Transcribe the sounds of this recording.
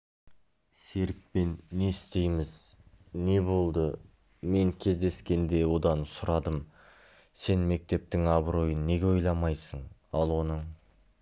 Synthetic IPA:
se̞ɾɪk̚pe̞nːe̞ɪst̪e̞jmɪz | ne̞bo̞lˠd̪ə | me̞ŋkʲʰe̞zd̪e̞skʲe̞nd̪e̞wo̞d̪ɑnsʊɾɑd̪əm | se̞nme̞k̚t̪e̞p̚t̪ɪŋɑbɾo̞jənːe̞ɡʲeo̞jlˠɑmɑjsəɴɑlˠwo̞nəɴ

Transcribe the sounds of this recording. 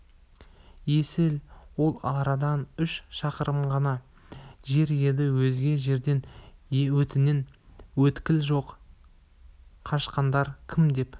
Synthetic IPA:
je̞sɪlwo̞lˠɑɾɑd̪ɑnʏʃʃɑqəɾəmʁɑnɑ | ʒe̞ɾje̞d̪ɪwɵzɡʲe̞ʒe̞ɾd̪e̞nwɵt̪ɪne̞nwɵt̪kʲɪlʒo̞q | qʰɑʃqɑnd̪ɑɾkʲʰɪmd̪e̞p

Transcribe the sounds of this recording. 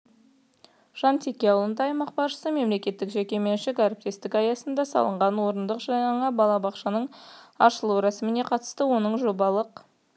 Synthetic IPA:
ʒ̥ɑnt̪ʰʲekʲːe̞ɑwlˠənt̪ɑɑjmɑq̚bɑɾʃə̥səme̞mle̞kʲe̞t̪ːɪkʒekʲe̞me̞nʃɪkaɾəp̚t̪e̞st̪ɪkɑjɑsənd̪ɑsɑ̰lˠəɴʁɑnwo̞ɾənd̪əqʒɑɑɴɑbɑlˠɑbɑqʃɑnəɴɑ̰ʃəlˠuwɾɑsmɪne̞qʰɑt̪ə̥st̪əwo̞nəɴʒo̞bɑlˠəq

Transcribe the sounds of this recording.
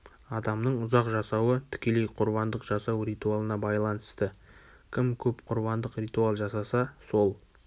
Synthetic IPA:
ɑd̪ɑmnəɴʊzɑqʒɑsɑwət̪ʰɪ̥kʲe̞le̞jqʰʊɾβɑnd̪əqʒɑsɑwrijt̪ualˠənɑbɑjlˠɑnəst̪ə | kʲʰɪmkʲʰɵpqʰʊɾβɑnd̪əqrʲijt̪ualˠʒɑsɑsɑso̞lˠ

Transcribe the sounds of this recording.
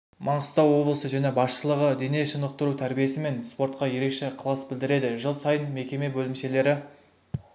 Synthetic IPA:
mɑɴəst̪ɑwo̞blˠəsəʒæne̞bɑsʃəlˠəʁəd̪ene̞ʃənəq̚t̪əɾut̪ʰæɾbije̞sɪme̞nspo̞ɾt̪̚qɑje̞ɾe̞kʃe̞qʰəlˠɑsbɪld̪ɪɾe̞d̪ɪʒəlˠsɑjənme̞kʲe̞me̞bɵlɪmʃe̞le̞ɾɪ

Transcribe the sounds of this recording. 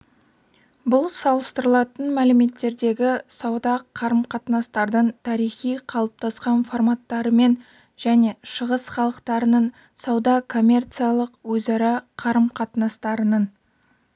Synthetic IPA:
bʊlˠsɑlˠəst̪əɾəlˠɑt̪ənmælɪme̞t̪ːe̞ɾd̪e̞ɡʲɪsɑwd̪ɑqʰɑɾəmqʰɑt̪nɑst̪ɑɾd̪əɴt̪ʰɑɾijχijqʰɑlˠəp̚t̪ʰɑsqɑnfo̞rmɑt̪ːɑɾəme̞n | ʒ̥æne̞ʃəʁəsχɑlˠəqt̪ɑɾənən | sɑwd̪ɑkʰo̞mʲːe̞rt̪sɨjalˠəqwɵzɑɾɑqʰɑɾəmqʰɑt̪nɑst̪ɑɾənən

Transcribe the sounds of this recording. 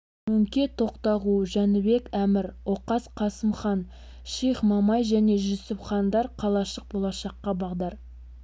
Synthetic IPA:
mɵŋkʲe̞t̪ʰo̞qt̪ɑʁuʒænɪbe̞kæmɪɾwoqɑsqʰɑsəmχɑn | ʃijχmɑmɑjʒæne̞ʒɵsɪpχɑnd̪ɑɾqʰɑlˠɑʃəq̚bolˠɑʃɑqːɑbɑʁd̪ɑɾ

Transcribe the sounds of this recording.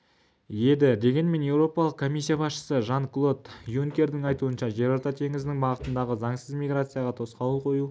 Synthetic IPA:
je̞d̪ɪd̪e̞ɡʲe̞nme̞nje̞wɾo̞pɑlˠəqkʰo̞mʲijs̬ʲːijabɑsʃə̥səʒɑŋklˠo̞t̪juŋkʲe̞ɾd̪ɪŋɑjt̪uənʃɑʒe̞ɾɑɾt̪ɑt̪ʰe̞ŋɪznɪŋbɑʁət̪ənd̪ɑʁəzɑŋsəzmʲiɡrat̪sɨjɑʁɑt̪ʰo̞sqɑwəlˠqʰo̞ju

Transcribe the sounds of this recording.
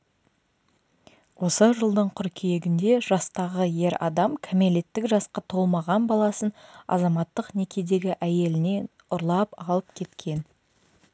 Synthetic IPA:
wo̞səʒəlˠd̪əɴqʰʏɾkʲʰije̞ɡʲɪnd̪e̞ʒɑst̪ɑʁəje̞ɾɑ̰d̪ɑmkʲʰæme̞le̞t̪ːɪkʒɑsqɑt̪ʰo̞lˠmɑʁɑnbɑlˠɑsənɑ̰zɑmɑt̪ːəqne̞kʲe̞d̪e̞ɡʲɪʔæje̞lɪne̞n | ʊɾlˠɑpɑlˠəp̚kʲʰe̞t̪kʲʰe̞n

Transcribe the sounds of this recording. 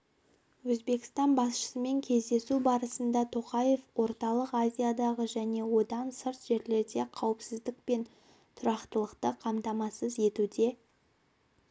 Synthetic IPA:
wɵzbe̞kʲɪ̥st̪ɑnbɑsʃə̥səme̞ŋkʲʰe̞zd̪e̞subɑɾəsənd̪ɑt̪ʰo̞qɑje̞fwo̞ɾt̪ɑlˠəqazʲijad̪ɑʁəʒæne̞wo̞d̪ɑnsəɾt̪ʒ̥e̞ɾle̞ɾd̪e̞qʰɑwəpsɪzd̪ɪk̚pe̞n | t̪ʰʊɾɑqt̪əlˠəqt̪əqʰɑmt̪ɑmɑsəze̞t̪ud̪e̞

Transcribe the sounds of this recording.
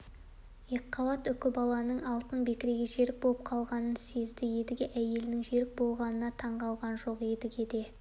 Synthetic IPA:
jeqːɑwɑt̪ʏkʲɪbɑlˠɑnəɴɑlˠt̪ənbe̞kʲɪɾe̞ɡʲeʒe̞ɾɪk̚bolˠəp̚qʰɑlˠʁɑnənse̞zd̪ɪje̞d̪ɪɡʲeʔæje̞lɪnɪŋʒe̞ɾɪk̚bo̞lˠʁɑnənɑt̪ʰɑɴʁɑlˠʁɑnʒo̞qe̞d̪ɪɡʲe̞d̪e̞

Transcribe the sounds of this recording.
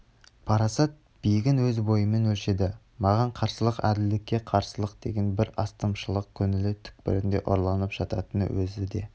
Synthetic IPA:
pʰɑɾɑsɑt̪̚ | b̥ijɡʲɪnwɵzbo̞jəme̞nwɵlʃe̞d̪ɪ | mɑʁɑɴqʰɑɾsəlˠəqæ̰d̪ɪld̪ɪkʲːe̞qʰɑɾsəlˠəqd̪e̞̰ɡʲe̞nbɪɾɑst̪əmʃəlˠəq̚kʲʰɵnɪlɪt̪ʰʏ̥k̚pɪ̰ɾɪnd̪e̞̰ʔo̰ɾlˠɑnəpʒ̥ɑt̪ɑt̪ənə̰wɵzɪd̪e̞̰

